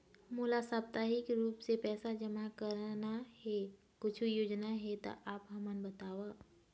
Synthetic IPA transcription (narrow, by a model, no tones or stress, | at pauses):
muːlasaːp̚t̪aːɦikɾuːpsepɛːsad͡ʒəmakəɾnahɛ | kʊt͡ʃʰjoːd͡ʒnaɦɛt̪a̰ʔaːpɦɐmənbət̪aːʋa